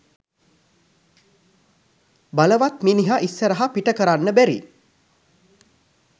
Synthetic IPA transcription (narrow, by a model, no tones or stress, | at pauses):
baləʋat̪miːniɦaʔisːəɾəɦapiʈəkəɾanːəbæɾḭ